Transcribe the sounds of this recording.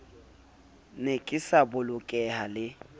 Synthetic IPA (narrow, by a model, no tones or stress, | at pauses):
nekʼɪsabʊlʊkʼɛɦalɪ